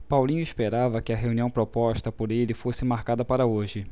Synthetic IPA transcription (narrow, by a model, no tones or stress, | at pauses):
pawlĩɲʊispeɾavɐkɪɐɦeuniɐ̃w̃pɾopɔʃt̪ɐpoɾelɪfosɪmaɾkad̪ɐpaɾɐoʒɪ